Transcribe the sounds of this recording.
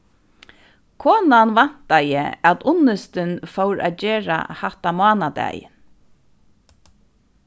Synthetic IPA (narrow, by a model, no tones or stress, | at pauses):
kʰɔːnanvan̥t̪ajɪ̰æt̪ʊnːɪst̪ɪnfɔwɾa̰d͡ʑeːɹa̰haht̪amɑːnad̪æ̰ːjɪ̰n